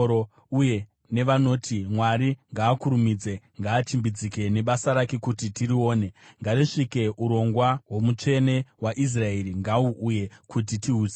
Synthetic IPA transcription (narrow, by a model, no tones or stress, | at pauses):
o | uje̞ | ne̞ʋano̞ːtʰimwaɾiŋɡaːkuɾumiːd͡ze̞ | ŋɡaːt͡ʃimbid͡zike̞ne̞ɓasaɾake̞kutitiɾio̞ːne̞ŋɡariʂike̞ʔuɾo̞ŋɡwawo̞mut͡ʂe̞ne̞waʔis̬raeɾiŋɡauʔuje̞kʰut̬itiuːe